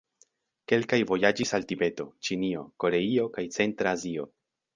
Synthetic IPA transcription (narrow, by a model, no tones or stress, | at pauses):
ke̞lkajvo̞jad͡ʒisaltibe̞to̞t͡ʃinio̞ko̞ɾe̞io̞kajt͡se̞ntɾaːzio̞̰